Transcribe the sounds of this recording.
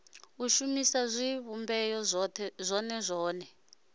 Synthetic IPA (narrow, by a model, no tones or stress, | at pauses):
uʃumisazʷiβumbɛjɔzʷɔnɛzʷɔːnɛ